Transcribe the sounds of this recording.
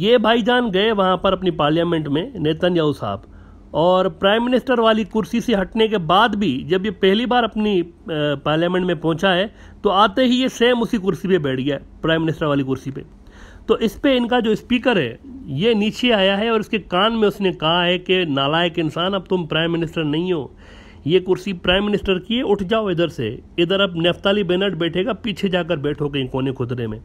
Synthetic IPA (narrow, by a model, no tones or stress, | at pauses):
jeːbʱaːid͡ʒaːnɡɐeʋɐɦãpɐɾɐpnipaːɾljaːmẽɳʈmẽneːt̪ənjaːʊsa̰ːb | ɔːɾpɾaːɪmːɪnɪsʈəɾʋaːlikʊɾsiseɦɐʈnek̬ebaːd̪bʱid͡ʒɐbjepɛɦlibaːɾɐpnipaːɾljaːmɛ̃ɳʈmẽpɔ̃ːt͡ʃaɦɛ | t̪oaːt̪eɦijeseːmʊsikʊɾsipebɛːʈʰɡijapɾaːɪ̃mːɪnɪsʈəɾʋaːlikʊɾsipḛ | t̪oːʔɪspeɪnkad͡ʒoːspiːkəɾɦɛ̰ːjeniːt͡ʃeaːjaɦɛɔːɾɪskekaːnmẽʊsnekɐɦaɦɛkenaːlaːekeɪnsaːnɐb̚t̪ʊmpɾaːɪmːɪnɪsʈəɾnɐɦĩɦoː | jekʊɾsipɾaːɪ̃mːɪnɪsʈəɾkieʊʈʰd͡ʒaːoɪd̪əɾsḛɪd̪əɾɐbneft̪aːlibɛːnəʈbɛːʈʰeːɡapiːt͡ʃʰed͡ʒaːk̬əɾbɛːʈʰokẽkoːnekʊt̪ɾemẽː